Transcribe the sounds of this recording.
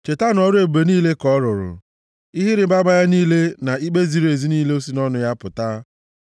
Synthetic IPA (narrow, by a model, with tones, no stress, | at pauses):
t͡ʃe˨ta˦nɔ˦ɾe˨be˨niː˦le˦kɔ˦ɾʊ˨ɾʊ̰˨ | i˦ɦɪ˦ɾɪ˨˦ba˦ma˦ja˦niː˦le˦na˨i˦ɡ͡be˦zi˨ɾe˨zi˦niː˦le˦o˦si˦nɔ˦nʊ˦ja˦pʊ˨ta˦